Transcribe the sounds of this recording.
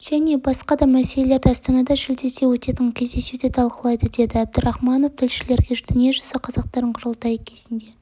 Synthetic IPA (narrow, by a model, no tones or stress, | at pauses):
ʒ̥æne̞bɑsqɑd̪ɑmæse̞lele̞ɾd̪ɪɑst̪ɑnɑd̪ɑʒɪld̪e̞se̞wɵt̪e̞t̪ɪŋkʲʰe̞zd̪e̞suwd̪et̪ʰɑlˠqəlˠɑjd̪əd̪e̞d̪ɪæb̚d̪ɪɾɑχmɑno̞ft̪ʰɪlʃɪle̞ɾɡʲed̪ɪnie̞ʒɑsɑqʰɑzɑq̚t̪ɑɾəɴqʰʊɾəlˠt̪ɑjəkʲʰe̞zɪnd̪e̞